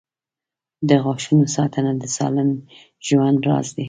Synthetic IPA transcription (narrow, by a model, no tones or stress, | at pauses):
d̪əɣɑʃunosɑt̪ʰənad̪əsɑ̰lɪm | ʒwand̪ɾɑ̰zd̪i